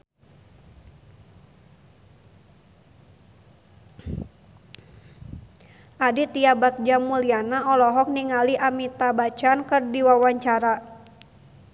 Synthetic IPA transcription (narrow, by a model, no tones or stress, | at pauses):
ʔadit̪iabak̚d͡ʒamulianaɔlɔɦɔk̚niŋaliʔamit̪abat͡ʃankɨrdiwawaɲt͡ʃaɾa